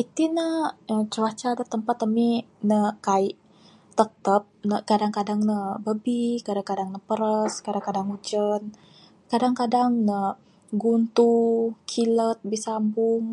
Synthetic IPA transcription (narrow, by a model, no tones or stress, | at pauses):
it̪inəət͡ʃəwat͡ʃadat̪əmpat̪aminəkaiʔ | t̪ət̪əp̚nəkadaŋkadaŋnəbəbikadaŋkadaŋnəpəɾəskadaŋkadaŋud͡ʒən | kadaŋkadaŋnə | ɡunt̪ukʰilət̪̚bisambuŋ